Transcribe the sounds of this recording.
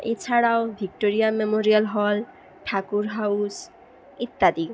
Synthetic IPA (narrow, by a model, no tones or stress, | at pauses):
et͡ɕʰaɽaobʱik̚ʈoɾijamemoɾialɦɔl | ʈʰakuɾɦawus | it̪ːad̪i